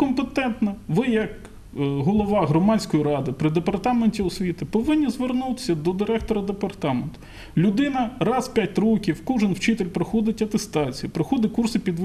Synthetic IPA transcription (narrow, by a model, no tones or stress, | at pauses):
kɔmpet̪ɛnt̪nɐʋɪjɐk | ɦɔlˠɔʋɑɦɾɔmɑnʲsʲkɔjiɾɑd̪ɪpɾɪd̪epɐrt̪ɑmenʲtʲiʊsʲʋʲit̪ɪpɔʋɪnʲːizʋernut̪ɪ̥sʲɐd̪ɔd̪ɪɾɛkt̪ɔɾɐd̪epɐrt̪ɑment̪ʊ | lʲʊd̪ɪnɐrɑzpʲjatʲrɔkʲiwkɔʒenwt͡ʃɪt̪elʲpɾɔxɔd̪ɪtʲɐt̪est̪ɑt͡sʲijupɾɪxɔd̪ɪkursɪpʲid̪ʋ